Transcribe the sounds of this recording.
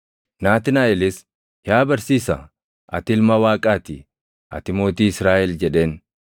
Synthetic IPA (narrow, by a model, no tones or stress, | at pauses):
naːt̪ɪnaːʔɛlɪs | jaːbɐɾsiːsɐ | ʔɐ̰t̪ɪlmɐwaːkʼaːt̪ɪ | ʔɐ̰t̪ɪmo̞ːt̪iːɪsɾaːʔɛld͡ʒɛᶑe̞ːn